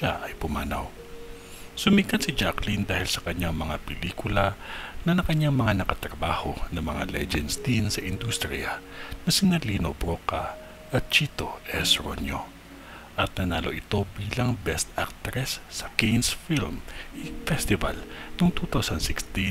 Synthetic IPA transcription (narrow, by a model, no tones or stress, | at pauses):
ʃaʔɐjpʊmaːna̰w | sʊmiɡkɐnsid͡ʒaklind̪aːhɪlsɐkɐɲaŋmɐŋapɛliːkʊlɐnɐnɐŋkɐɲːaŋmɐŋanɐkɐt̪ɾɐbaːhonɐŋmɐŋa̰lɛ̰d͡ʒɛnst̪insɐʔɪnd̪ust̪ɾḭanɐsɪnɐliːnobɾoka | ʔɐt̪̚t͡ʃiːt̪oʔɛsɾo̰njo̰ | ʔɐt̪̚nɐnaːlo̰ʔɪt̪o̞biːlɐŋbɛst̪ak̚t̪ɾɛsːɐkijnsfilmʔifɛst̪ɪva̰lnoŋt̪ut̪awsɐnsɪkst̪i